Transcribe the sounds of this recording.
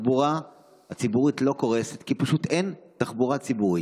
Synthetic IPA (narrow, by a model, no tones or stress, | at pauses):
buʁa | hat͡sibuʁitlo̞ko̞ʁeset̪kipaʃut̪entaχbuʁat͡sibuʁi